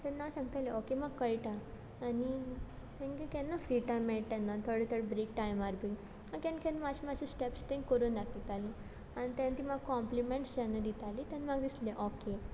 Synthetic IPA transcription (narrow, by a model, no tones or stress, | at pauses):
t̪ɛnːasãŋɡt̪aleokemaɡkəjʈaː | ni | t̪ɛ̃nkekɛ̃nːafɾiʈajmːɛʈ̚t̪anːat̪ʰoɽet̪ʰəɾbɾek̚ʈajmaɾbi | akɛ̃nkɛnmaɕimaɕisʈepst̪ɛ̃nkəɾuːnd̪akd̪it̪ali | añit̪ãnt̪imaɡkɔmplimẽɳʈsd͡ʑanːad̪it̪alit̪ãnmaɡd̪isleʔoke